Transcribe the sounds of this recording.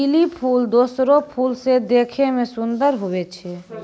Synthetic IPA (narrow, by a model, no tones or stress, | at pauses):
ilipʰuːld̪oːsɾopʰuːlsed̪eːkʰemẽsʊnd̪əɾɦʊet͡ʃʰe